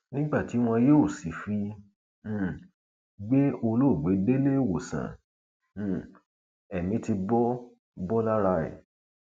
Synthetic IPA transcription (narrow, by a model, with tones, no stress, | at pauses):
nĩ˦ɡ͡ba˦˨ti˨˦w̃ɔ̃˧joː˦˨si˨fĩ˧˦˨ | ɡ͡be˦o˧lo˦˨ɡ͡be˨˦de˦le˦˨wo˨sã̰˨ | ɛ˨mĩ˨˦ti˧bɔ˦ | bɔ˦la˦ɾa˧ɛ̰˨